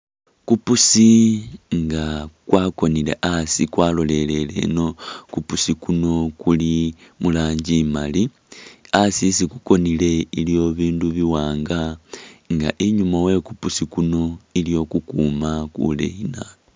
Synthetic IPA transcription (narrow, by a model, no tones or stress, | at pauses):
kupusiŋɡakwaːko̞nile̞̰ʔasikwaːlo̞le̞le̞le̞̰no̞kupusikuno̞kulimulaːɲɟimali | asisikuko̞nile̞iljo̞βiːnduβiwaːŋɡaŋɡa̰ʔiɲumawe̞kupusikuno̞ilijo̞kukumakṵlḛina